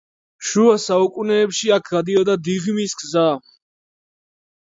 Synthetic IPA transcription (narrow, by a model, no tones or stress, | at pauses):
ʃuasaukʼunɛːpʃiakʰɡad̪iɔd̪ad̪iʁmisɡza